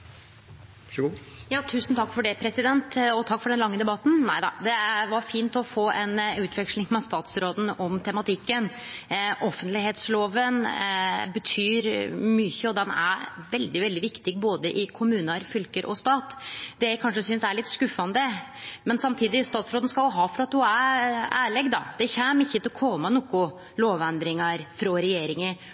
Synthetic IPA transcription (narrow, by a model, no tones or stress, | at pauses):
jɑːt̪ʰʉːsn̩t̪ʰɑkːfɔɖɛpʰɾɛsɪd̪ɛnt̪ɔt̪ʰɑkːfɔɖɛnlɑŋːəd̪ɛbɑt̪ːn̩næɪd̪ɑ̰d̪ɛʋɑɾfiːnt̪ɔfoːʔɛnʉːt̪ʰʋɛkʂlɪŋmɛst̪ɑːt̪sɾoːd̪n̩ɔmt̪ʰɛmɑt̪ʰɪkːən | ʔɔfːənt̪lɪheːt̪sloːʋən | bət̪ʰyːɾmyçəɔd̪ɛnæ̰ɾʋɛld̪ɪʋɛld̪ɪʋɪkt̪ɪɡboːd̪əʔɪkʰʊmʉːnəɾfʏlkəɾʔɔ̰st̪ɑːt̪d̪ɛæɪkʰɑnʂəsʏnsæɭɪt̪skʉfːɑnd̪ə | mɛnsɑmt̪ʰiːd̪ɪst̪ɑːt̪sɾoːd̪n̩skɑʊɦɑːfɔɾɑt̪̚d̪ʊææːɭɛɡd̪ɑ̰d̪̥ɛçæːməɪçːət̪ɪlɔkʰɔmɑnʊkːʊ | loːʋɛnd̪ɾɪŋɑɾfɾɑɾɛjeːɾɪŋə